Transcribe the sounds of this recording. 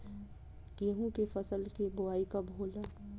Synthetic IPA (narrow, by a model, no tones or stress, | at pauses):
kiɦũkefɐsəlkebʊaːikabʱoːla